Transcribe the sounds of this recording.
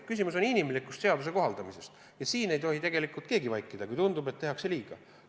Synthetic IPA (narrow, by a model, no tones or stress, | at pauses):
kysimuso̞ninimlikːˑust̪se̞ɑd̪us̬e̞ko̞ɦɑld̪ɑmise̞st̪ | jɑsiːne̞jt̪ohit̪e̞ɡ̥e̞likˑult̪̚ke̞ːɡivɑjkːˑid̪̥ɑkujt̪und̪ubet̪ːe̞ɦɑkse̞lʲiːɡ̥ɑ